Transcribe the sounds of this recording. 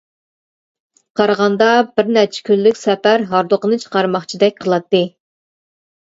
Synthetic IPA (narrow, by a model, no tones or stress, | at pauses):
qʰɑɾʁɑnd̪ɑbɪɾnæɾt͡ʃʰɛ̥kʲylːykʲsɛpæɾɦɑɾd̪ʊqənɨt͡ʃʰə̥qɑɾmɑχt͡ʃʰid̪ɛk̚ʲqʰəlˠɑt̪ːɨ